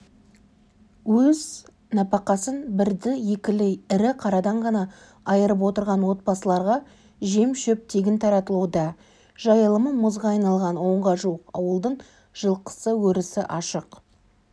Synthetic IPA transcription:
wɵz | nɑpɑqɑsənbɪɾd̪ɪje̞kʲɪlɪjɪɾɪqʰɑɾɑd̪ɑɴʁɑnɑ | ɑjəɾəp̬wo̞t̪əɾʁɑnwo̞t̪̚bɑsəlˠɑɾʁɑ | ʒe̞mʃɵp̚t̪ʰe̞ɡʲɪnt̪ʰɑɾɑt̪əlˠuwd̪ɑ | ʒ̥ɑjəlˠəməmʊzʁɑɑjnɑlˠʁɑnwo̞ɴʁɑʒuəqɑ̰wəlˠd̪əɴ | ʒ̥əlˠqə̥səwɵɾɪsɪʔɑʃəq

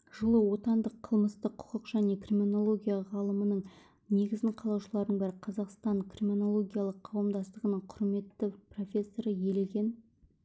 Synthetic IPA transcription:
ʒ̥əlˠəwo̞t̪ɑnd̪əqʰəlˠməst̪əqʰːʊ̥qəqʒæne̞krimʲino̞lˠo̞ɡʲijaʁɑlˠəmənəɴ | ne̞ɡʲɪzɡ̪ʲɪɴqʰɑlˠɑwʃəlˠɑɾd̪əɴbɪɾɪqʰɑzɑqst̪ɑŋkrimʲino̞lˠo̞ɡʲijalˠəqʰːɑwəmd̪ɑst̪əʁənəɴqʰʊɾme̞t̪ːɪpro̞fʲe̞sːo̞ɾəje̞le̞ɡʲe̞n

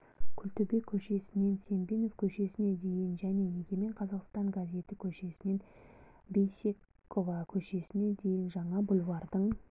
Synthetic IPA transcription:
kʲʰʏlt̪ɵbe̞kʲʰːɵʃe̞sɪne̞nse̞mbeno̞fkʲʰɵʃe̞sɪne̞d̪e̞jɪnʒæne̞neɡʲe̞me̞ɴqʰɑzɑqst̪ɑɴɡazʲe̞t̪ɪkʲʰɵʃe̞sɪne̞n | be̞jsʲe̞ | kːo̞vɑkʲʰɵʃe̞sɪne̞d̪e̞jɪnʒɑɴɑbʊlˠwɑɾd̪əɴ

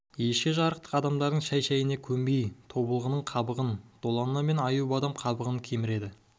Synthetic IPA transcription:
je̞ʃkʲeʒɑɾəq̚t̪ə̥qɑd̪ɑmd̪ɑɾd̪əɴŋʃæjʃæjɪnekʲʰɵmbejt̪ʰo̞bəlˠʁənəɴqʰɑbəʁənd̪̥o̞lˠɑnnɑme̞nɑjubɑd̪ɑmqʰɑbəʁəŋkʲʰe̞mɪɾe̞d̪ɪ

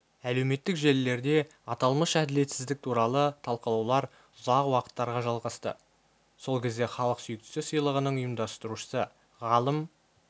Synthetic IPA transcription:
æle̞wme̞t̪ːɪkʒe̞lːe̞ɾd̪e̞ | ɑt̪ɑlˠməsʃæd̪ɪle̞t̪sɪzd̪ɪk̚t̪ʰuɾɑlˠət̪ʰɑlˠqəlˠɑwlˠɑɾ | ʊzɑqwɑqə̥t̪ːɑɾʁɑʒɑlˠʁɑst̪ə̰ | so̞lˠkʲʰe̞zd̪e̞χɑlˠəqsʏjɪk̚t̪ɪ̥sɪsəjlˠəʁənəɴʊjəmd̪ɑst̪əɾuʃə̥sə | ʁɑlˠəm

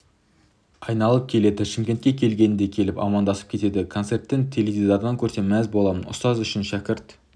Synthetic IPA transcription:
ɑjnɑlˠəp̚kʲʰe̞le̞d̪ɪʃɪmkʲe̞nt̪kʲekʲʰe̞lɡʲe̞nɪd̪e̞kʲʰe̞lɪpɑ̰mɑnd̪ɑsə̥pkʲʰe̞t̪e̞d̪ɪkʰo̞nse̞rt̪ːɪnt̪ʰe̞levʲizaɾd̪ɑŋkʲʰɵɾt̪e̞mæzbo̞lˠɑmənʊ̰st̪ɑzʏʃɪnʃækʲɪɾt̪

